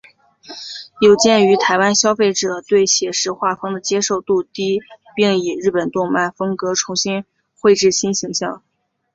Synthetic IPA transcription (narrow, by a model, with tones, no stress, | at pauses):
jo˨˩ʊt͡ɕjɛ˥˩ny˧˥t̪ʰa˧˥ɪwa˥nɕjɑ˥ʊfe˥˩ɪʈ͡ʂɤ˨˩t̪we˥˩ɪɕjɛ˨˩ʂɻ̩˥˧xwa˥˩fɤ˥ŋd̪ə˨˩t͡ɕjɛ˥ʂo˥˧ʊt̪u˥˩t̪i˥pi˥˩ŋi˨˩ɻɻ̩˥˩pə˨˩nt̪ʊ˥˧ŋma˥˩nfɤ˥ŋkɤ˧˥ʈ͡ʂʰʊ˧˥ŋɕi˥n | xwe˥˧ɪʈ͡ʂɻ̩˥˩ɕi˥nɕi˧˥ŋɕjɑ˥˩ŋ